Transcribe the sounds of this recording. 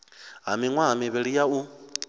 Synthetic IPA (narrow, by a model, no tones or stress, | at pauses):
ɦa̰miŋwaɦamiβɛɺijau